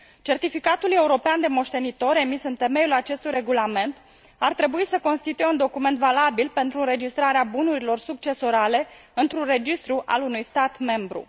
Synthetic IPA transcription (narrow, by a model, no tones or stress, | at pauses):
t͡ʃe̞rt̪ifikat̪ule̞uɾo̞peand̪e̞mo̞ʃt̪e̞nit̪o̞ɾe̞misɨnt̪e̞me̞julat͡ʃe̞st̪ujɾe̞ɡulame̞nt̪ | art̪ɾe̞buisəko̞nst̪it̪ujeund̪o̞kume̞nt̪valabilpe̞nt̪ɾuɨnɾe̞d͡ʒist̪ɾaɾeabunuɾilo̞rsuk̚t͡ʃe̞so̞ɾale̞ | ɨnt̪ɾure̞d͡ʒist̪ɾuʔa̰lunujst̪at̪me̞mbɾṵ